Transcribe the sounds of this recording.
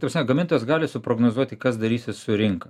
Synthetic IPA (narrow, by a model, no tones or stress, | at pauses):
t̪ɐpɾɐsʲnʲɛɡɐmʲɪnt̪oːjɛsɡɑːlʲɪsʊpɾoɡnoːzuɔt̪ʲɪkɐsd̪ɐɾʲiːsʲɪsʊɾʲɪŋkɐ